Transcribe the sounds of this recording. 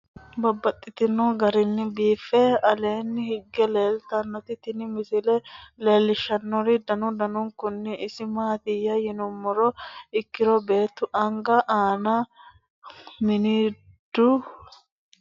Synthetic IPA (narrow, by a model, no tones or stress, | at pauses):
bɐbːɐt̪ʼːɪt̪ɪnɔɡɐɾɪnːɪbiːfɛɐleːnːɪhɪɡːɛleːlt̪ɐnːɔt̪ɪt̪ɪnɪmɪsɪlɛle̞ːlːɪʃɐnːɔɾɪd̪ɐnʊd̪ɐnʊŋkʊnːɛʔɪsɪmaːt̪ɪjːɐjɪnʊmːɔɾɔɪkːɪɾɔbe̞ːt̪ːʊʔɐŋɡɐʔaːnɐ | mɪniː | d̪̥ʊ